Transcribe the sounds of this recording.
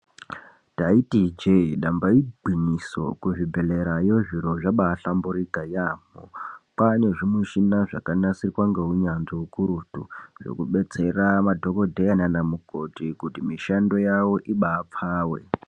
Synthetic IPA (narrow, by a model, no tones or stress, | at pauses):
taitid͡ʒeɗambaibʱwiɲiso̰kuʐibʱe̞leɾajo̞ʐiɾo̞ʐaɓaːɬambuɾikajaːmo̰pane̞ʐimuʃinaʐakanasirikwaŋɡeɦuɲanzoukuɾutṵʐo̰kuɓe̞t͡se̞ramadʱo̞ko̞dʱejananamuko̞tikutimiʃando̞jawo̞ʔiɓaːp͡faːwe̞̰